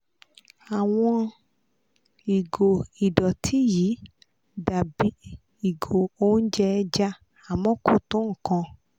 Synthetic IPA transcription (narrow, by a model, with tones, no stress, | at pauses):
a˨w̃ɔ̃˧ | i˨ɡo˨i˨dɔ˨tʰi˨˦ji˨˦ | da˨bi˨˦ | i˨ɡo˨o˦n̩˦d͡ʒɛ˦˧d͡ʒa˦ | a˨mɔ̃˦ku˦˨tũ˨˦ŋ̩˦˨kã˧